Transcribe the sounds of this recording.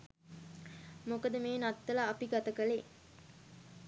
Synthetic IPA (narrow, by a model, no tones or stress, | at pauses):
mokəd̪əmeːnɐt̪ːɐlaːpiɡɐt̪əkəle